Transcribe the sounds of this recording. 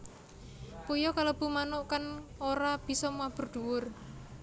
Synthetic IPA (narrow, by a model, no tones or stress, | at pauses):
pujɔkalob̥ṳmanoʔkanoɾab̥i̤sɔmuab̥ə̤rd̪̥uwʊr